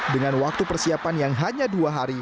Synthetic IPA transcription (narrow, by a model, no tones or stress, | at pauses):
dəŋanwak̚t̪upərsiapanjaŋɦaɲaduaɦaɾi